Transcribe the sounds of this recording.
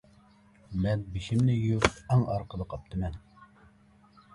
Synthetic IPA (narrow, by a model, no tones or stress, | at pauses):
mɛnbiʃɪmnɪjuɾæŋɑɾqəd̪ˠəqʰɑp̚t̪ʰəmɛn